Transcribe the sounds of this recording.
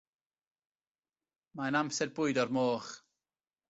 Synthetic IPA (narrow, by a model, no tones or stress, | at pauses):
maənamsɛdbʊɨdɔrmoːχ